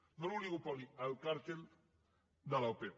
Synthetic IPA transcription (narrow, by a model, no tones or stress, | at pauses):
noɾuliɣupaliawkaɾt̪en | d̪alawpe